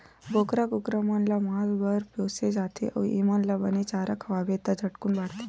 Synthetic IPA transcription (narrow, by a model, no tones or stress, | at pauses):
ɡokɾaɡukɾamanlamɦat̪bəɾposed͡zat̪ʰḛʔə̰ʋʔimanlabənit͡ɕaɾakʰʋabet̪ad͡zʱəʈkuːnbaɽt̪e̥